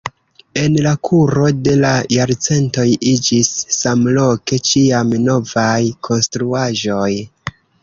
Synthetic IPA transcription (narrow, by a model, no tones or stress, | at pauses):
e̞nlakʰuɾo̞de̞lajaɾt͡se̞nto̞jid͡ʒisːamlo̞ke̞t͡ʃiamno̞vajkʰo̞nstɾuaʒo̞j